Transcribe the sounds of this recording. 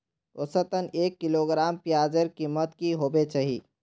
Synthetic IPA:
t̪oːsɐt̪əneːkːɪloːɡɾaːmpjaːd͡ʒəɾkimət̪kiɦoːbet͡ʃaɦḭː

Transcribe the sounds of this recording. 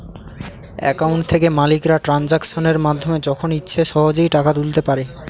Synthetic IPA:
ɛ̰kawɳʈt̪ʰekemalikɾaʈɾand͡ʑakʃoneɾmad̪ʱːomed͡ʑɔkʰonitːɕʰeʃɔɦod͡ʑojʈakat̪ult̪epaɾe

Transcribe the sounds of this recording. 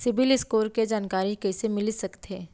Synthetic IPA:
sɪbɪlɪskoːɾked͡ʒaːnkaːɾikɛːsemɪlsɐkt̪eː

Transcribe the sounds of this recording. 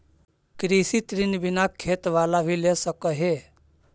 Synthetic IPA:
kɾisit̪ɾinbɪnakʰːeːt̪ʋaːlabʱilesəkəɦe

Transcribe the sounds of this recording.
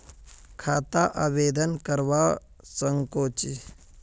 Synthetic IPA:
kʰaːt̪aʔaːbeːd̪ənkəɾʋa | səŋkoːt͡ʃi

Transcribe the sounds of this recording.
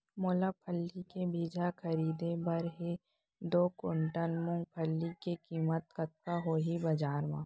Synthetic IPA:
moːlapʰəlːikebʱiːd͡ʒʱakʰɐɾiːd̪ẽbɐɾɦe | d̪oːkʊɳʈənmʊ̃ŋɡ̚pʰəlːikekiːmət̪kət̪̚kaɦoːɦibɐd͡ʒaːɾmãː

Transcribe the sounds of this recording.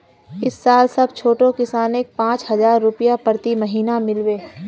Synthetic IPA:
ɪsːaːlsɐbt͡ʃʰoːʈõkɪsaːneːk̚pãːt͡ʃhɐzaːɾːʊpɪjapəɾt̪imɐɦiːnamɪlweː

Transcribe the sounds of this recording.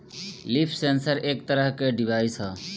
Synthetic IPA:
lipʰsensəɾek̚t̪əɾəɦkeɖibʱaisʌ

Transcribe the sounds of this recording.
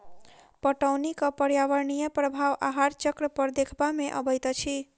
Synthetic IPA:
pəʈəwnikəpəɾjaʋəɾnijəpɾəbʱaʋa̰ɦaɾt͡ʃəkɾəpəɾd̪ekʰbameʔə̰bəjt̪ət͡ʃʰi

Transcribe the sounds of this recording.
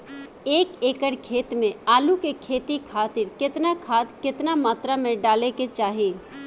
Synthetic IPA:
eːkeːkəɽkʰeːt̪mẽaːlukekʰeːt̪ikʰaːt̪ɪɾkɪt̪nakʰaːt̪kɪt̪namaːt̪ɾamẽɖaːleket͡ʃaːɦeː

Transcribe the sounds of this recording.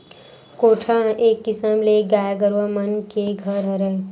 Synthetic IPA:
koʈʰãekːisəmleɡajaɡəɾʋəmənkeɡʱəɾɦəɾəl

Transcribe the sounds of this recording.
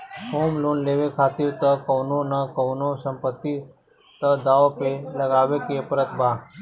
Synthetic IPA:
hoːmluːnleːʋekʰaːt̪iɾt̪əkəwnonəkəwnosəmpət̪ːi | t̪əd̪aːopeləɡaːʋekepɾət̪bʱaː

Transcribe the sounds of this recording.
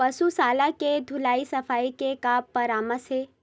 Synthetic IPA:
pɐsusaːlaked̪ʱʊlaːisɐfaːikekaːppːɐɾaːməsɦeː

